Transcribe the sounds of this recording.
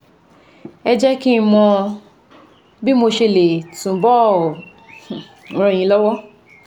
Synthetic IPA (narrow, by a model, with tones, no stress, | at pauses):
ɛ˧d͡ʒɛ˦ki˦˧mɔ̃˧ | bi˦mo˧ʃe˧le˨tũ˨bɔ˦˨ | ɾ̃ɔ̃˧˨jĩ˧˦lɔ˦wɔ˦